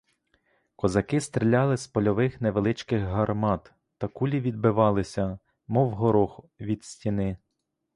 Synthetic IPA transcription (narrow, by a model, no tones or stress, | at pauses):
kɔzɐkɪst̪ɾelʲːɑlˠɪspɔlʲɔʋɪxneʋelˠɪt͡ʃkɪɣɦɐrmɑt̪ː | ɐkulʲiʋʲid̪̚bɪʋɑlˠɪsʲɐ | mɔwɦɔɾɔxʊ | ʋʲid̪sʲtʲinɪ